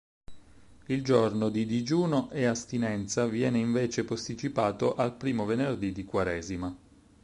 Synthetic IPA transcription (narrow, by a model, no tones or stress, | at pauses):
ild͡ʒornod̪id̪id͡ʒuːnoʔeast̪inɛnt̪savjɛːneiɱveːt͡ʃepost̪it͡ʃipaːt̪oʔalpɾiːmovenerd̪id̪ikwaɾɛːzima